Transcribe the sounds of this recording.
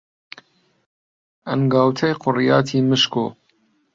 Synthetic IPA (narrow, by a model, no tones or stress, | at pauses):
ɐnɡɑːwt̪ʰɐjqʰʊrjɑːt̪ʰiːmɨʃko̰ː